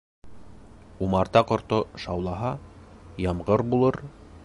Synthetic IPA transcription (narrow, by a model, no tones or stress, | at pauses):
umɑɾt̪ɑqŏɾt̪oʃɑwlˠɑɦɑjɑmʁɤɾbulˠɤɾ